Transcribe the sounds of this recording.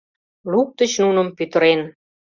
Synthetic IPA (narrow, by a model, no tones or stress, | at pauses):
luk̚t̪ə̆t͡ɕnunə̆mpyt̪ə̆ɾen